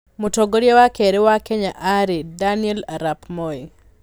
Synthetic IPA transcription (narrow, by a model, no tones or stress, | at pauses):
mutoɡoɾjawakeɾɛwakeɲaʔaɾidanɛlaɾapmɔi